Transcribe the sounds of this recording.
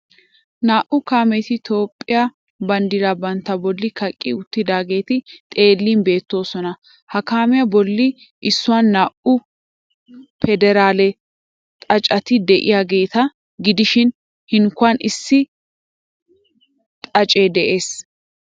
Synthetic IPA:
naːʔʊkaːmɛt̪ɪt̪o̞ːpʼːɪja | bɐnd̪ɪlɐbɐnt̪ːɐbɔlːɪkɐkʼːɪʊt̪ːɪd̪aːɡe̞ːt̪ɪt̪ʼe̞ːlːiːnbe̞ːt̪ːo̞ːsɔnɐ | hɐkaːmɪjɐbɔlːɪ | ʔsːʊwanːaːʔʊ | fɛd̪ɛɾaːlɛ | t̪ʼɐt͡ʃʼɐt̪ɪd̪ɛʔɪ̰jaːɡe̞ːt̪ɐ | ɡɪd̪ɪʃɪn | hɪŋkʊanɪsːɪ | t̪ʼɐt͡ʃʼeːd̪ɛʔe̞ːs

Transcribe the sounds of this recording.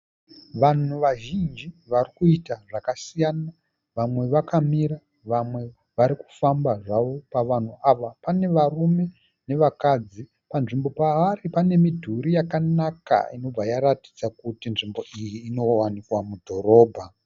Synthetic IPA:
ʋan̤uʋaʒind͡ʒiʋarikuitaʐakasijana | ʋamwe̞ʋakamiɾa | ʋamwe̞ | ʋaɾiku̥fambaʐaʋo̞paʋan̤uaʋapane̞ʋarume̞ | ne̞ʋakad͡zi | panʐimbo̞paaripane̞midʱuɾijakanaka̰ino̞b͡vajaɾati̥d͡zakutinʐimbo̞ʔijiːno̞wanikwamudʱo̞ɾo̞ːbʱa

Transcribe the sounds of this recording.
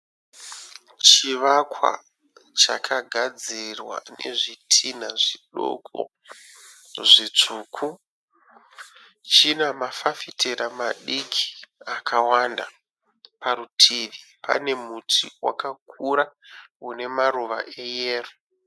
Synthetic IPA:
t͡ʃiʋakwa̰ | t͡ʃakʰaɡʱad͡zirwa̰ne̞̰ʐitʰin̤aʐiɗo̰kʰo̰ | ʐit͡ʂuːkʰu | t͡ʃinamafafitʰeɾamaɗikʰi̥akʰawanda | paɾutʰiʋi | pa̰ne̞mutʰiwa̰kak̚ʰuɾaune̞maruʋa̰ʔejeːro

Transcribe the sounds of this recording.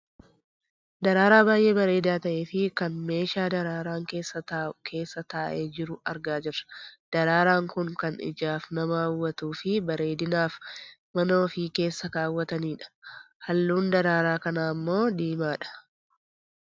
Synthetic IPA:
d̪ɐɾaːɾaːbaːjʔe̞ːbɐɾe̞ːd̪aːt̪ɐʔe̞ːfɪkɐnme̞ːʃaːd̪ɐɾaːɾaːŋke̞ːsːɐt̪ːkʰe̞ːsːɐt̪aːʔe̞ːd͡ʒɪɾʊɐɾɡaːd͡ʒɪɾɐ̥d̪̥ɐɾaːɾaːŋkʊŋkɐnɪ̰d͡ʒaːfnɐmaːwːɐt̪uːfɪbɐɾe̞ːd̪ɪnaːfmɐno̞ːfike̞ːsːɐkaːwːɐt̪ɐniːᶑɐ̥ | hɐlːuːnd̪ɐɾaːɾaːkɐnaːmːo̞ːd̪iːmaːᶑɐ̥

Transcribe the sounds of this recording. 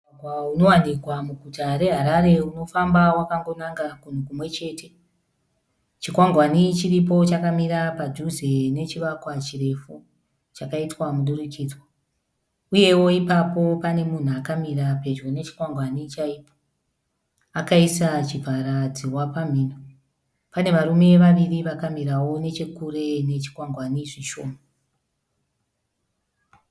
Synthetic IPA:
ŋwauno̞wanikwamuɡʱutaɾe̞ɦaɾaɾe̞uno̞fambawakaŋɡo̞naŋɡakun̤ukumwe̞t͡ʃe̞ːte̞ | t͡ʃikwaŋɡwanit͡ʃiripo̞t͡ʃakamiɾapad͡ʒuzene̞t͡ʃiʋakwat͡ʃire̞fu | t͡ʃakaitwamuɗurikid͡zwa | uje̞wo̞ipapo̞pane̞mun̤uakamiɾape̞d͡ʒone̞t͡ʃi̥kwaŋɡwanit͡ʃaiːpo̥ | akaisat͡ʃibʱaɾad͡ziwapam̤iːno | pane̞ʋaɾume̞ʋaʋiriʋakamiɾawo̞ne̞t͡ʃekure̞ne̞t͡ʃi̥kwaŋɡwaniʐiʃo̞ːma

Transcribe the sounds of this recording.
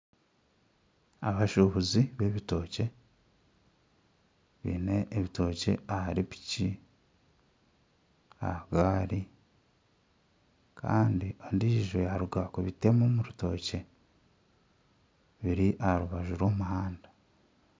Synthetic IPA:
aβaʃuhuziβe̞βito̞ːce̞ | βḭneʔːβito̞ːce̞̰ahaɾipi̥ci | a̰ɡaːɾi | kʰa̰ːndiondiʒojaɾuɡakuβite̞momuɾuto̞̰ːce̞ | βiɾiʔahaɾuβaʒuɾwo̞ːmuɦaːndḁ

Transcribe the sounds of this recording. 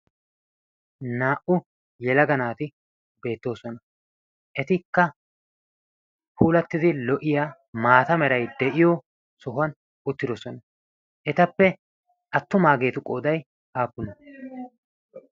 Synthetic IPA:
naːʔʊ | jɛlɐɡɐnaːt̪ɪ | be̞ːt̪ːo̞ːsɔnɐ | ʔɛt̪ɪkːɐ | puːlɐt̪ːɪd̪ɪlɔʔɪjaː | maːt̪ɐmɛɾɐjd̪ɛʔɪjoː | sɔɦʊɐn | ʊt̪ːɪd̪ɔsɔnɐ | ʔɛt̪ɐpːɛ | ʔɐt̪ːʊmaːɡe̞ːt̪ʊkʼoːd̪ɐj | haːpːʊnɐ

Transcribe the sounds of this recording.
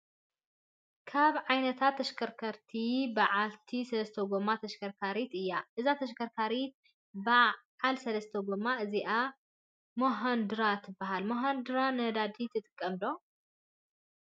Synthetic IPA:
kʰaβʕajnɐt̪ʰat̪ʰːɐʃkʰɐɾkʰɐɾt̪ʰibaʕalt̪ʰisɐlɐst̪ʰoɡomːat̪ʰɐʃkʰɐɾkʰaɾit̪ɨjːaʔɨzat̪ʰɐʃkʰɐɾkʰaɾit̪̚ | baʕalsɐlɐst̪ʰoɡomːaʔɨziʔa | moɦɐnd̪ɨɾat̪ʰɨbaɦalmoɦɐnd̪ɨɾanɐd̪ad̪it̪ʰɨt̪ʼɨ̥kʼːɐmd̪o̞

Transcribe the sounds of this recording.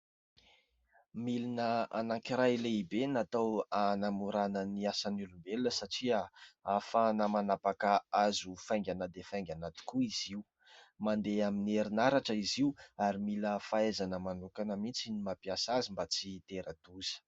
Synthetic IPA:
milinəa̰naŋkiɾajleibenat̪awanamuɾanəniasanulumbelunəsaʈ͡ʂiaafanəmanapakəazufajŋɡʲanəd̪efajŋɡʲanat̪i̥kuiz̥iu | mand̪eamineɾinaɾaʈ͡ʂəiziuaɾimiləfaezanəmanukanəmit͡sinimapiasazimbat͡sit̪eɾad̪̥uz̥ə̥

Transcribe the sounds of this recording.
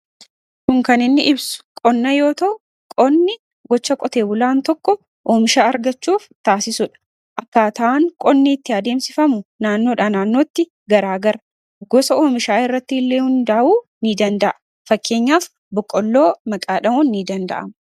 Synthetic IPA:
kʊŋkɐnɪnːɪʔɪbsʊ̥kʼɔnːɐjo̞ːt̪ɐʔʊ | kʼɔnːɪ | ɡɔt͡ʃːɐkʼɔt̪e̞ːbʊlaːnt̪ɔkːɔ | ʔoːmɪʃaːɐɾɡɐt͡ʃːuːft̪aːsɪsʊᶑɐ̥ | ʔɐkːaːt̪ɐʔaŋkʼɔnːɪːt̪ːɪɐd̪e̞ːmsɪfɐmʊnaːnːo̞ːᶑanaːnːo̞ːt̪ːɪ | ɡɐɾaːɡɐɾɐ | ɡɔsɐoːmɪʃaːɪrːɐt̪ːɪɪlːeːhʊnd̪ɐʔʔuːnid̪ɐnd̪ɐʔɐ | fɐkːe̞ːɲːaːf | bʊkʼːɔlːo̞ːmɐkʼaːᶑɐmuːnːid̪ɐnd̪ɐ̰ʔɐ̰m

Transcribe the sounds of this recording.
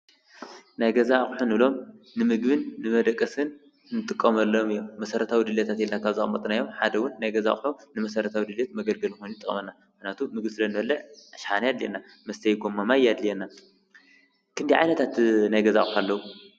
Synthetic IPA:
najɡɐzaxʼħunɨβɨlo̞m | nɨmɨɡβɨnːɨmɐd̪ɐkʼːɐsɨn | nɨt̪ʼɨkʼːɐmɐlːomɨjːommɐsɐɾɐt̪ʰawid̪ɨlɐt̪ʰat̪jɛlnakʰaβzaxʼɐmɐt̪ʼɨnajomħad̪ɐwʊnːajɡɐzaxʼħuːɨmɐsɐɾɐt̪ʰawid̪ɨljet̪̚mɐɡɐlɡɐlnɨxonjit̪ʼɨkʼɐmɐnːa | mhnat̪ʰumɨɡbɨsɨlɐnːɨbɐlːɐʕaʃħanajad̪lienːa | mɐst̪ʰɐjɡo̞mːamajad̪lijɛnːa | kʰɨnd̪iʕa̰jnɐt̪ʰat̪najɡɐzaxʼħalːɐwu

